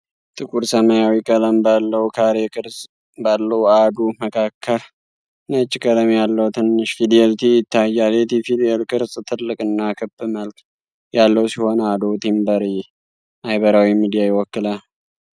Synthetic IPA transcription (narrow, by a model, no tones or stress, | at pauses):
t̪ʼɨkʼuɾsəməjawikʰʼələmbalːəwkʰaɾekʰɨɾsʼ | balːəwad̪uməkʰakʰːəɾ | nət͡ʃːɪkʼələmjalːəwut̪ʰɨnːɨʃfid̪jelt̪ʰijɪt̪ʰːajːalet̪ifid̪ielkʰɨɾsʼt̪ʰɨlːɨkʼɨnːakʰɨbːɨməlk | jalːəwsiho̞nad̪ot̪ʰimbəɾi | ʔajβəɾawimid̪ijajɪwɔkːɨlal